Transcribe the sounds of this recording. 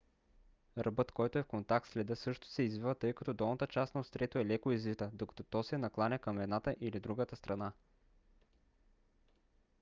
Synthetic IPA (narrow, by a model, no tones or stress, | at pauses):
ɾʔɐbɤt̪kɔjt̪oɛfkont̪ak̚t̪slɛd̪ɤsɤʃt̪o̥sɛizvivət̪ɤjkɐt̪ɔd̪ɔlˠnət̪ət͡ʃast̪nɐost̪ɾɛt̪oɛlɛkoizvit̪əd̪okɐ̥t̪ot̪ɔsɛnɐklˠanʲɐkɐmɛd̪nat̪əʔilid̪ɾuɡət̪əst̪ɾʔɐna